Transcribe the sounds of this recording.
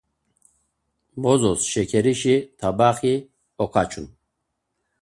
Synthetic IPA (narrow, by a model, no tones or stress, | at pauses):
bɔzɔsʃɛkʰɛɾiʃit̪ʰabaχi | ɔkʰat͡ʃʰun